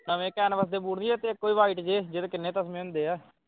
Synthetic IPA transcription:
nəʋẽːkɛːnʋəsd̪eːbuːɽniːɛːt̪eːkːoːiːʋaːiːʈd͡ʒeːd͡ʒeːd̪oːkɪnːẽːt̪əsmẽɦʊ̃nd̪eːɛː

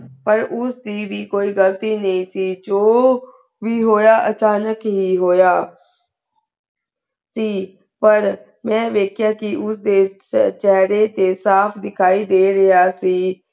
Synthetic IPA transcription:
pəɾʊsd̪iːʋiːkoːiːɡəlt̪iːnəĩːsiːd͡ʒoː | ʋiːɦoːjaːʔət͡ʃaːnəkɦiːɦoːjaː | siː | pəɾ | mɛ̃ːʋeːkʰɪjaːkɪʊsd̪eː | t͡ʃɛɦɾeːt̪eːsaːpʰd̪ɪkʰaːiːd̪eːɾəaːsiː

